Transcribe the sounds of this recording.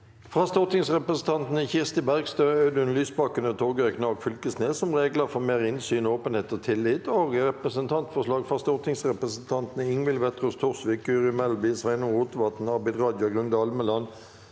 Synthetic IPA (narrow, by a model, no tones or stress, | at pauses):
fʁɑːst̪ɔʁt̪ɪŋsʁɛpʁəsən̩t̪ʰɑnt̪nəçɪʁst̪ɪbæʁɡst̪øːød̪ʉnlyːsbɑkːənət̪ʰoːɡœknɑkfʏlkəsneːsɔmʁeːɡləfɔʁmeːʁɪnsyːnoːpənheːt̪ɔt̪ʰɪlːɪt̪oːɡʁɛpʁəsənt̪ʰɑnt̪fɔʁʂlɑːɡfʁɑst̪ɔʁt̪ɪŋsʁɛpʁəsən̩t̪ʰɑnt̪nəɪŋʋɪlʋɛt̪ʁʉst̪ʰʊʁsʋɪkːʉːʁɪmɛlbɪsʋæɪnʊʁuːt̪əʋɑt̪n̩ɑʁbæɪd̪ʁɑːd̪jʊɡʁʉnd̪əɑlməlɑn